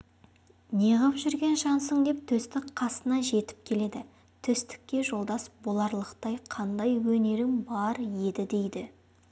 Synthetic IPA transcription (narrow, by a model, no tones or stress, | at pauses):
neʁəpʒʏɾɡʲe̞nʒɑnsəɴd̪e̞p̚t̪ʰʏst̪ɪkqʰɑsənɑʒe̞t̪ɪ̥p̚kʲʰe̞le̞d̪ɪ | t̪ʰʏst̪ɪ̥kʲːe̞ʒo̞lˠd̪ɑsbolˠɑɾlˠəqt̪ɑjqʰɑnd̪ɑjwɵne̞ɾɪŋbɑɾje̞d̪ɪd̪ejd̪ɪ